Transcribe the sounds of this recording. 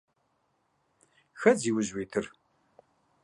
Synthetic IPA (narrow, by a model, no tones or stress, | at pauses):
xɐd͡ziːwʊʑweːt̪ʰɨr